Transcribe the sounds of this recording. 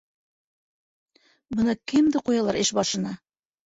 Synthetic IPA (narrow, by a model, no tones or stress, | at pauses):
bɤ̆nɤkɘmd̪ɘqujɑlˠɑɾɘʃbɑʃɤ̆nɑ